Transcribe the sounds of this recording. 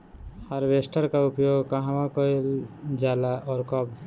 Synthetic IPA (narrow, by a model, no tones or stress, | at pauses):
haɾbesʈəɾkaupjoɡkaɦãmakɔjld͡ʒalaʔɔɾkʌb